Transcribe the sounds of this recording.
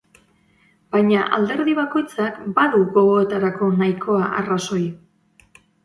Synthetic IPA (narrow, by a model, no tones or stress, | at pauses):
bajɲaʔa̰ld̪e̞ɾðiβako̞jt͡sakbaðuɣo̞ɣo̞e̞t̪aɾako̞najkʰo̞aʔaraso̞j